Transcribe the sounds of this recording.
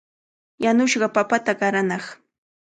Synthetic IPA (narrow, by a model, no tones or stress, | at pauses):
janʊʃɢɑpapat̪aɢɑɾanɑχ